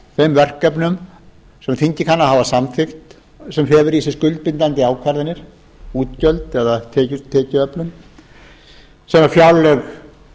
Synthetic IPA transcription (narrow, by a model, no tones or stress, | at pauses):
θejmvɛr̥kːœpnʏm | sɛmθiɲcɪkʰanːahavasamθɪxt̪ | sɛmɦɛːvʏɾisɪ̥skʏlt̪̚pɪnt̪ant̪ɪaːwkʰvɛɾðɪnːɪɾ̥ | uːt̪cœlt̪ɛðat̪ʰɛːcʏt̪ʰːɛːcɪœplʏn | sɛmafjawlɛɣ